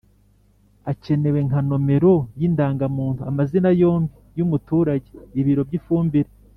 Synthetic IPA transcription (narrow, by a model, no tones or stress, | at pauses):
ace̞ne̞we̞ŋkano̞me̞ɾo̞jindaːŋɡamuːntuamazinajo̞ːmbijumutuːɾaɟe̞iβiɾo̞bɟifuːmbiɾe